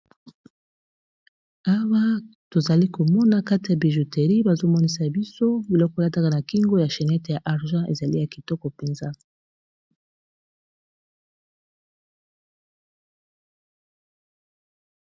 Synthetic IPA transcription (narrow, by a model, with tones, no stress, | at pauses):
a˦wa˦to˨za˨li˦ko˨mɔ˦na˦ka˦ti˨ja˨bi˨ʒu˨te˨ʁi˦ba˨zo˦mɔ˦ni˦sa˨bi˦so˦bi˨lɔ˦kɔ˦la˦ta˦ka˦˨na˨ki˦ŋɡo˦ja˨ʃɛ˨nɛ˦te˨ja˨ʔa˨ʁʒã˦ʔe˨za˨li˦ja˨ki˨tɔ˦kɔ˨pe˨nza˦